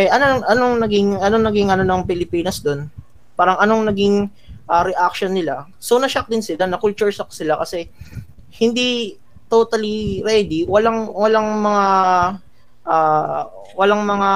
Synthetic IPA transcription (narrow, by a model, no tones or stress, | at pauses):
ɛʔɐnoɐŋʔɐnoŋnɐɡɪŋɐnoŋnɐɡiŋʔɐno̞nɐŋpɪlɪpiːnɐsd̪o̞n | paːɾɐŋɐnoŋnɐɡiŋ | ʔaɾɛʔak̚ʃonːɪla | sownɐʃak̚d̪ɪnsɪlanɐkʊlt͡ʃʊɹsɐksɪlakɐsɛ | hɪnd̪i | t̪ot̪ɐliɾɛd̪iwɐlaŋwɐlaŋmɐŋa | ʔa | wɐlaŋmɐŋa